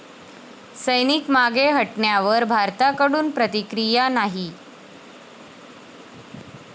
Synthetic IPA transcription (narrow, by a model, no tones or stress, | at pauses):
səjnikmaɡeɦəʈɳjaʋəɾbʱaɾt̪akəɽuːnpɾət̪ikɾijanaɦi